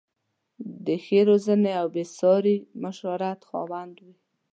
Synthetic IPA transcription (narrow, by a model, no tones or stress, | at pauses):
d̪əxeɾozəneawbesɑɾimaʃaɾat̪xɑ̰wand̪wi